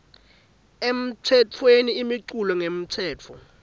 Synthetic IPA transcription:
em̩tʰɛt͡fʰweniimiǀulɔŋem̩tʰɛːt͡fʰɔ

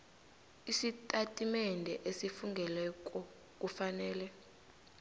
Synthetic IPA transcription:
isitʼatʼimɛndʱɛʔesifuŋɡʱɛlɛk̬ʼɔ | k̬ufanɛːlɛ

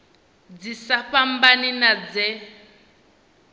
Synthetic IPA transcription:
d͡zisaɸambaninad͡zɛ

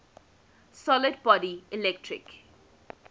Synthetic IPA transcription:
sɔlɪɖ̚bɔɖiɪlek̚ʈɾɪ̰k

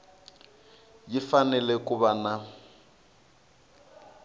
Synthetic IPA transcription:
jifanɛlɛkʼʊβana

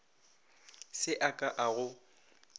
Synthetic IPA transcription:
sɪʔakʼaʔaɣʊ

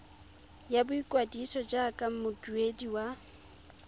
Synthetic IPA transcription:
jabʊikʼwadisɔd͡ʒakʼam̩mʊduediwa

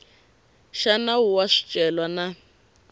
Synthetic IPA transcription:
ʃanawuwaʂi̥t͡ʃʼɛlwana

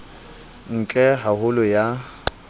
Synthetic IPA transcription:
ŋ̩kʼɛɦahʊlʊja

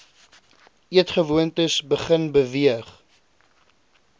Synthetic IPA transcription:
iətχəvuəntəsbəχənbəviəχ

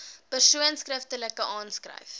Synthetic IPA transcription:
pərsuənskrəftələkəʔɑːnskrɐ̰jf

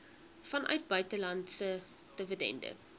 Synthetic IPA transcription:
fɐnʔœ̰ɥt̚bœɥtəlɐntsə | d̥əvədɛ̰ndə̰

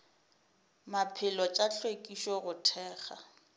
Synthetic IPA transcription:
mapʰɪlɔt͡ʃʼaɬwekʼiʃɔɣʊtʰɛːɣa̰

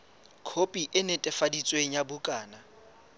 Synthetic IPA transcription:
kʰopʼiʔɪnɛtʼɛfadit͡sʼweŋ̩jabʊkʼaːna

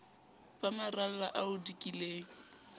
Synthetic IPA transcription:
pʼamaral̩laʔaʊdikʼileːŋ̩

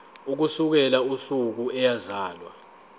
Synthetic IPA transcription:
uk̬usuk̬ɛlausuk̬uɛjazaːlwa̰

